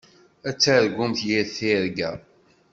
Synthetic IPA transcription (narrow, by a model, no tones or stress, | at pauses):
æt͡sːæɾɡumθjiθiɾɡæ̰